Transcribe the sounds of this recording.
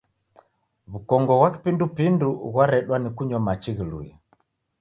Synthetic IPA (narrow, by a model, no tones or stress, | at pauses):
βukɔŋɡɔɣwaki̥pindupinduɣwaɾɛɗwanikuɲɔmat͡ʃiɣilṵi